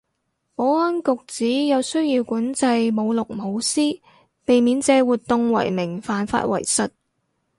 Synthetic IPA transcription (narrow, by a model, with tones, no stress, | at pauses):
pɔː˨˥ɔ˥nkʊ˨k̚t͡siː˨˥jɐ˨˧wsɵ˥ɥjiː˧wkuː˨˥nt͡sɐ˧jmo˨˧wlʊ˨k̚mo˨˧wsiː˥ | pe˨jmiː˨˥nt͡sɛː˧wuː˨˩t̚t̪ːʊ˨˧ŋwɐ̰˨˩jmɪ˨˩ŋfaː˨nfa̰ː˧t̚wɐ̰˨˩jsɐ˨t̚